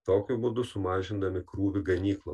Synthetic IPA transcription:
t̪oːkʲʊbʊd̪ʊsʊmɑːʒʲɪnd̪ɐmʲɪkɾuːʋʲɪɡɐnʲiːklˠɐ̰

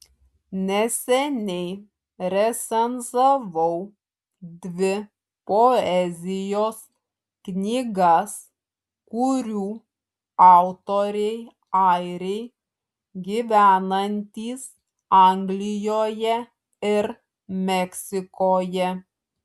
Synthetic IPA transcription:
nʲɛsʲɛnʲɛɪ | ɾʲɛsʲɛnzɐʋɐʊ | d̪ʲʋʲɪ | poɛzʲɪjoːs | knʲiːɡɐs | kʊɾʲuː | ɑˑʊt̪oːɾʲɛɪ | ɑɪɾʲɛɪ | ɡʲiːʋʲæːnɐnʲt̪ʲiːs | ɑŋɡlʲɪjoːjɛ | ɪɾ | mʲɛksʲɪkoːjɛ

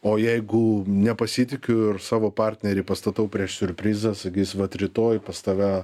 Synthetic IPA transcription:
oːjɛɪɡʊnʲɛpɐsʲiːt̪ʲɪkʲʊɪrsɑːʋoːpɑːɾʲt̪ʲnʲɛɾʲɛɪpɐst̪ɐt̪ɐʊpʲɾʲiɛʃsʲʊɾʲpʲɾʲiːzɐsɐkʲiːsʲʋɐt̪ɾʲɪt̪oːjpɐst̪ɐʋʲæ

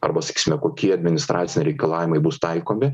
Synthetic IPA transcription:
ɐ̰ɾbɐsɐ̥kʲiːsʲɪmʲɛkoːkʲiɛɐd̪ʲmʲɪnʲɪst̪ɾʔɑːt̪ʲɪnʲɪɾʲɛɪkɐlˠɑːʋʲɪmɐɪbʊst̪ɐɪkoːmʲɪ

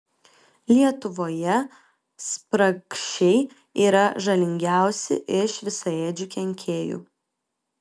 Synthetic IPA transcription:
lʲiɛt̪ʊʋoːjɛ | spɾɐkʃʲɛɪ | iːɾɐʒɐlʲɪŋʲɡʲæˑʊsʲɪ̰ʔɪʃʋʲɪsɐeːd͡ʒʲʊkʲɛŋʲkʲʰeːjṵː

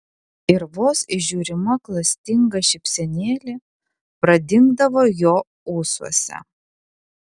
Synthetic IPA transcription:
ɪɾʋoːsɪʒʲuːɾʲɪmɐklˠɐsʲt̪ʲɪŋɡɐʃʲɪpʲsʲɛnʲeːlʲɪ | pɾɐd̪ʲɪŋɡd̪ɐʋoːjoː | uːsuɔsʲɛ̰

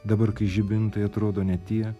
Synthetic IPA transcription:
d̪ɐbɐɾkɐɪʒʲɪbʲɪnt̪ɐɪɐt̪ɾoːd̪oːnʲɛt̪ʲiɛ

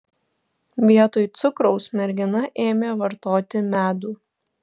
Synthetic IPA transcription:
ʋʲiɛt̪oːjt̪sʊkɾɔʊsmʲɛɾʲɡʲɪnɐʔeːmʲeːʋɐɾt̪oːt̪ʲɪmʲæːd̪uː

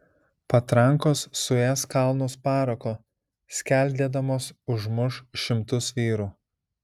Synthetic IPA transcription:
pɐt̪ɾɐŋˑkoːsːʊæskɑˑlˠnoːspɑːɾokoː | sʲkʲæˑlʲˑd̪ʲeːd̪ɐmoːsʊʒmʊʃʃʲɪmt̪ʊsʋʲiːɾuː

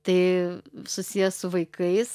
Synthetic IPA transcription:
t̪ɐɪsʊsʲiːjɛsʊʋɐɪkɐɪs

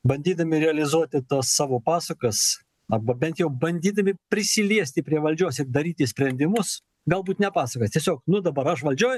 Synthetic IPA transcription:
bɐnʲd̪ʲiːd̪ɐmʲɪɾʲɛɐlʲɪzuɔt̪ʲɪt̪usːɑːʋoːpɑːsɐkɐs | ɐbɐbʲɛnt̪jɛʊbɐnʲd̪ʲiːd̪ɐmʲɪpʲɾʲɪsʲɪlʲiɛsʲt̪ʲɪpʲɾʲiɛʋɐlʲd͡ʒʲoːsɪrd̪ɐɾʲiːt̪ʲɪsʲpʲɾʲɛnʲd̪ʲɪmʊs | ɡɐlˠbuːt̪nʲɛpɑːsɐkosʲt̪ʲiɛsʲoːk̚nʊd̪ɐbɐɾɐʃʋɐlʲd͡ʒʲoːj

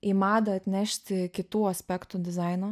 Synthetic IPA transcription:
ɪmɑːd̪ɐɐt̪ʲnʲæʃʲt̪ʲɪkʲɪt̪uːɐsʲpʲɛkt̪ʊd̪ʲɪzɑɪno

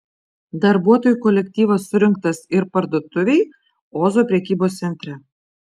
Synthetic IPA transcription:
d̪ɐɾbuɔt̪oːjukolʲɛk̚ʲt̪ʲiːʋɐsːʊɾʲɪŋk̚t̪ɐsɪɾpɐɾd̪uɔt̪ʊʋʲeɪ | oːzoːpʲɾʲɛkʲiːboːst̪sʲɛnʲt̪ʲɾʲɛ

